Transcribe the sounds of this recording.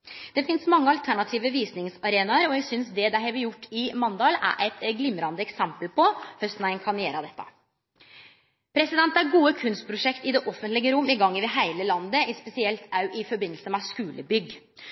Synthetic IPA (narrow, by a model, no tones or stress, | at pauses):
d̪̥ɛfɪnsmɑŋːəɑlt̪ʰæɳɑt̪ʰiːʋəʋiːsnɪŋsɑɾeːnɑəɾɔjæɡsʏnsd̪ɛd̪æɪɦɛʋɪɾjʊʈːɪmɑnd̪ɑːlæ̰ʔæɪt̪ɡlɪmɾɑnd̪əɛksɛmpəlpɔhœst̪næɪnkʰɑnjeːɾəd̪ɛt̪ʰːɑ̰ | pʰɾɛsɪd̪ɛnt̪æɾɡuːəkʰʉnst̪̚pʰɾʊʂɛkt̪ɪd̪ɛʔɔfənt̪lɪɡəɾʊmːɪɡɑŋːɪʋɛɦæɪləlɑnd̪əɪspɛsɪɛlt̪ɑʉʔɪfɔɾbɪnːlsəmɛskʉːlʔə̰bʏɡ